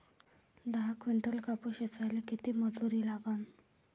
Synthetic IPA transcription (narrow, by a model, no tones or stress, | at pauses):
d̪aɦakʋiɳʈəlkapuɕet͡sajlekit̪iːməd͡zuɾiːlaɡan